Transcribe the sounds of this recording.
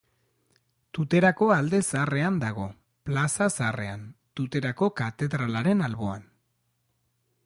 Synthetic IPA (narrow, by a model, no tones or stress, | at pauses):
t̪ut̪e̞ɾako̞ald̪e̞sare̞and̪aɣ̞o̞ | plasasare̞̰ant̪ut̪e̞ɾako̞kat̪e̞ðɾalaɾe̞nalβo̞a̰n